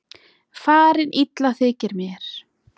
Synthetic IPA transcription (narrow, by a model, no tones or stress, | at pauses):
faːɾɪnʔit̪laθɪːcɪɾmjɛɾ̥